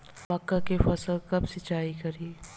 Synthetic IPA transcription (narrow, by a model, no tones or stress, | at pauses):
mɐkːakefɐsəlkɐbsɪt͡ʃːaːikɐɾi